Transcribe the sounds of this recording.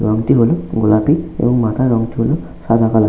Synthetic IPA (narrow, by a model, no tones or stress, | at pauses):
ɹɔŋt̪iɦolʊɡɔlapiḛbɔŋmataɹɔŋtiɦolʊ | sad̪ʱakala